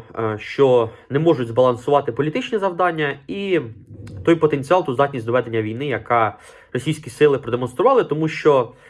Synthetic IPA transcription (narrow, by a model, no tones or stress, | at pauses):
ʃt͡ʃɔnɛmɔʐʊdʲzbɐlˠɐnsʊʋɑt̪ɪpɔlʲit̪ɪt͡ʃnʲɛzɐwd̪ɑnʲːɐi | t̪ɔjpɔt̪enʲt͡sʲiɑlˠt̪ɔzd̪ɑtʲnʲisʲd̪ɔʋɛd̪enʲːɐʋʲijnɪjɐkɑ | rɔsʲijsʲkʲisɪlˠɪpɾɔd̪emɔnst̪ɾʊʋɑlˠɪt̪ɔmuʃt͡ʃɔ